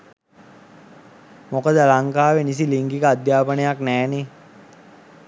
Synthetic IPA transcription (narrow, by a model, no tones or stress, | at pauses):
mokəd̪əlaŋkaːʋenis̬iliŋkikəad̪jaːpənəjaknɛːne